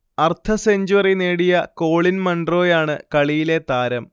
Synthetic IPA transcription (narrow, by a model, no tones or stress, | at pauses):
ɐrt̪ʰɐseɲd͡ʑuwɐrineːɽijɐko̞ːɭinmɐɳɖro̞ːjaːɳɨkɐɭijile̞t̪aːɾɐm